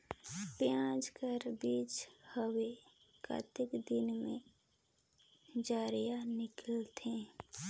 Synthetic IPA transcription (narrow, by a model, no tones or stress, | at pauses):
pjãːd͡ʒkəɾbiːt͡ʃhəwe | ka̰t̪ɪkd̪ɪnmḛ̃ | d͡ʒaːɾijanɪkəlt̪ʰẽ